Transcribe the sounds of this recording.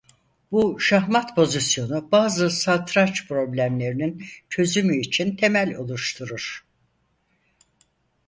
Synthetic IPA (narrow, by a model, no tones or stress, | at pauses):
buʃaɦmat̪pʰo̞zisjo̞nubaːzɯsat̪ʰɾat͡ʃpʰɾo̞blʲæmlʲe̞ɾinint͡ʃʰø̞zymyːt͡ʃʰint̪ʰe̞mælʲo̞̰lˠuʃt̪ʰuɾuɾ̥